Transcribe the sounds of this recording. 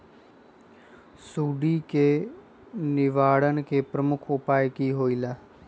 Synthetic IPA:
suːɖiːkeː | nɪʋaːɽənkeːpɾəmʊkʰopaːjkiːɦoːiːlaː

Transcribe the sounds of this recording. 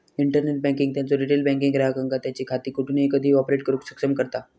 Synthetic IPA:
iɳʈəɾneʈ̚bɛ̃ŋkiŋɡ̚t̪jat͡soɾiʈelbɛ̃ŋk̬iŋɡɾaɦəkəŋɡat̪jat͡ɕiːkʰat̪iːkuʈʰuːneekəd̪ʱiːɔpɾeʈ̚kəɾuːksəksəmkəɾt̪a

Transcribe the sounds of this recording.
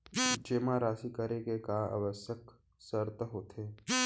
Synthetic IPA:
d͡ʒeːmaɾaːsikəɾekekaːʔa̰ːʋəsjək | səɾt̪ɦoːt̪ʰeː

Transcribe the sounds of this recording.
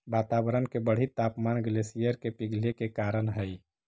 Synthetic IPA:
bat̪abəɾənkebəɽ̤it̪apmanɡlesijəɾkepiɡʱlekekaɾənɦəj

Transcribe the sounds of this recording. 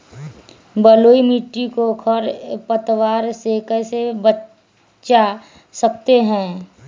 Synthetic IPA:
bəloːimiːʈːikokʰəɾpət̪waːɾsekəsebə | t͡ʃa | səkt̪eɦɛ̃ː

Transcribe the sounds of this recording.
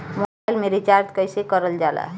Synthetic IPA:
mobajlmeɾit͡ʃaɾt̪kʌjsekʌɾəld͡ʒala̰

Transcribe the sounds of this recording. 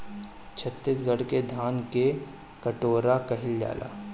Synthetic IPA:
t͡ʃʰət̪ːɪsɡəɽked̪ʱaːnke | kɐʈoːɾakɐɦɪld͡ʒa̰ːla̰ː

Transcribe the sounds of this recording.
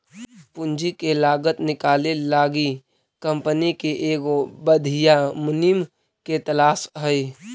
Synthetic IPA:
pʊnd͡ʒikelaːɡət̪nɪkaːlelaːɡi | kə̃mpənikeʔeːɡobəd̪ʱijamʊnim | ket̪əlaːsɦəi

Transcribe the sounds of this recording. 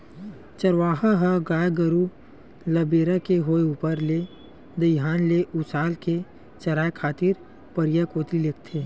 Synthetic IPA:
t͡ʃɐɾʋaːɦaɦaɡaːjɡəɾu | lɐbeːɾakeɦoːeuːpəɾle | d̪ɐɦaːnleʔʊsaːlke | t͡ʃɐɾaːekʰaːt̪ɪɾ | pəɾɪjakoːt̪ɾilek̚t̪ʰeː

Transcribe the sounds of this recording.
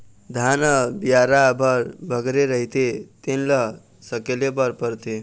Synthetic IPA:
d̪ʱanəbjaɾabəɾbʱəɡɾeɾəɦit̪et̪enlə | səkelebəɾpəɾt̪e

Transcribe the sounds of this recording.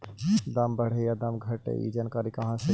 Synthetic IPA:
d̪ɐmbɐɽ̤ejad̪ɐmɡʱɐʈḛḭd͡ʒɐnkəɾikɐɦãse

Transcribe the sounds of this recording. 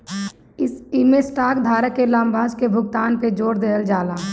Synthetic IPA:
ɪsɪmẽsʈaːkd̪ʱaːɾəkːelãːmbʱaːskebʱʊɡt̪aːnped͡ʒoːɾd̪eːld͡ʒaːlaː

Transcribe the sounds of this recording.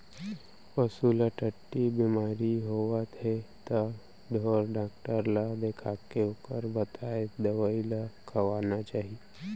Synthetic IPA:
əsulaʈəʈːibimaːɾiɦoːʋat̪et̪a | ɖ̪ʱoːɾɖaːk̚ʈəɾlad̪ekʰaːkeoːkəɾbɐt̪aːed̪ɐʋaːilakʰɐʋaːnat͡ʃaːɦie

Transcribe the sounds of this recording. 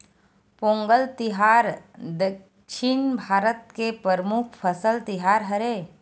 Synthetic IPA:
põːŋɡəlt̪ɪɦaːɾd̪ək | ʃinbʱaːɾət̪̚kepəɾmukʰpʰəsəlt̪ɪɦaːɾɦəɾeː

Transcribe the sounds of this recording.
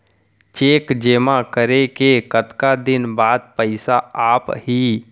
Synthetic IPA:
t͡ʃeːkd͡ʒeːmakəɾekekət̪kad̪ɪnbaːd̪̚pəɪsaaːphiː

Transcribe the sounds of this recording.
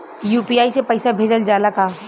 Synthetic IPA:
juːpiaːisepɐɪsabʱeːd͡ʒəld͡ʒaːlakaː

